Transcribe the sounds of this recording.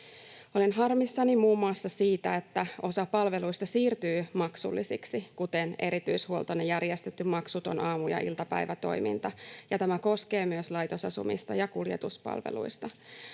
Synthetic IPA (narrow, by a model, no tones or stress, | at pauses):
o̞linɦɑrmisːɑnimuːmːuɑsːɑsiːt̪æe̞t̪ːæo̞sɑpɑlʋe̞luist̪ɑsiːrt̪yːmɑksṵlːisiksikut̪ene̞̰ɾit̪yishuolt̪onejærjest̪et̪ːymmɑksut̪onʔɑːmujɑ̰ʔilt̪ɑpæ̰jʋæt̪o̞̰jmḭnt̪ɑjɑt̪æmæko̞ske̞ːmyøslɑjt̪osɑsṵmḭst̪ɑjɑkuljet̪uspɑ̰lʋḛlṵist̪ɑ